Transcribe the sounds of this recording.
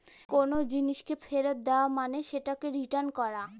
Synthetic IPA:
konod͡ʑiniʃkefʰeɾot̪̚d̪eoamaneʃeʈakeɾiʈaɾnkɔɾa

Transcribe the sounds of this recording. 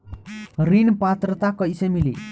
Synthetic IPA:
ɾinpat̪ɾət̪akəjsemili

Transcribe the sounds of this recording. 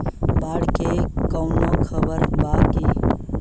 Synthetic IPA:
baɽkekəwnokʰəbəɾbake

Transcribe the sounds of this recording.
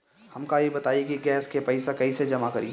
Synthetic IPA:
hɐmkajebɐt̪aːikiɡɛːskepɛɪsakɐised͡ʒɐmakɐɾḭː

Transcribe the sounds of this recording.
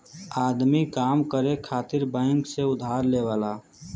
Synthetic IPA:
aːd̪mikaːmkəɾekʰaːt̪ɪɾbə̃ːŋkseʊd̪ʱaːɾleʋaːla

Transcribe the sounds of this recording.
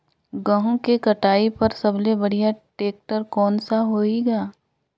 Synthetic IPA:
ɡɐɦũkikɐʈaːipɐɾsɐblebɐɽ̤ijaʈeːk̚ʈəɾkɔːnsaɦoːiɡaː

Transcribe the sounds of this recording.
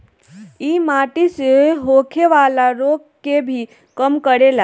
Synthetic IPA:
iːmaʈiseɦokʰeʋalaɾoɡ | kebʱi | kəmkəɽela

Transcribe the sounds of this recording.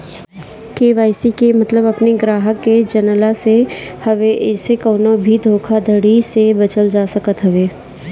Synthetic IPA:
keːʋaːɪsikemɐt̪ləbɐpniɡɾaːɦəkːed͡ʒɐnəlasehɐʋeʔɪsekɔːnobʱid̪ʱoːkʰad̪ʱəɽisebɐt͡ʃəld͡ʒaːsəkət̪ɦɐʋeː

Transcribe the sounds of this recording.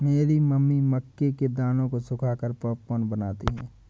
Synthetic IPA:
meːɾimɐmːiməkːeked̪aːnõkosʊkʰaːkəɾpəːpkonbənaːt̪iɦɛ̰̃ː

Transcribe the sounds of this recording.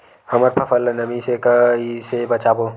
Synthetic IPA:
hɐməɾpʰɐfʰəlnɐmisekisebɐt͡ʃaːboː

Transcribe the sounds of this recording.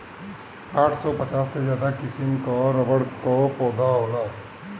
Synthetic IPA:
aːʈʰsɔpət͡ʃaːsːed͡ʒjaːd̪akɪsimkɔɾəbəɽkopɔːd̪ʱaɦola

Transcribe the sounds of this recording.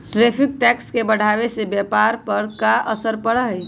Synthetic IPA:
ʈɾepʰik̚ʈɛkskebəɽ̤ʱabesebjɛpaɾpəɾkaʔəsəɾpəɽəɦj

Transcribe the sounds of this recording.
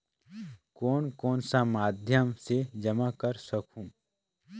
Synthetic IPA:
kɔːnkɔːnsamaːd̪ʱjəmsed͡ʒɐmakəɾsɐkũː

